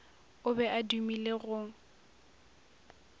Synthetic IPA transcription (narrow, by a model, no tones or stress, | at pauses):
ʊbɛʔadumileɣʊ